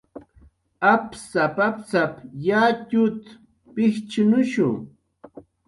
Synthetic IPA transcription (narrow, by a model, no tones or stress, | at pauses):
apsapapsapjatʊt̪ | pɪht͡ʃʊnʊʃʊŋ